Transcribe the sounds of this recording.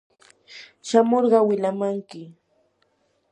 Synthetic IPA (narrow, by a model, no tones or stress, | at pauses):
ʃamoɾɢɑwɪʎamaŋkɪ